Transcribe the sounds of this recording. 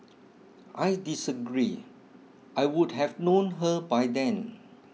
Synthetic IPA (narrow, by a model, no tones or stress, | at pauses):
ʔajdisəɡɹi | ʔajwud̚ɦɛvnõnɦəbajd̪ɛ̃n